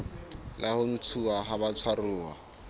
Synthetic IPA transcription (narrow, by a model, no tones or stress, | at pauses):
lʔahʊn̩t͡sʰuaɦaβat͡sʰwaruːwa̰